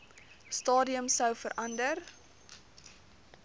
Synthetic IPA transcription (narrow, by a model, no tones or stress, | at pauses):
stɑːdiəmsəwfəɾʔɐndər